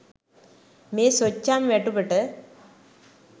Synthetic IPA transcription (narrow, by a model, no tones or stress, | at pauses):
meːsot͡ɕːaːmʋeʈːupːeʈːɨ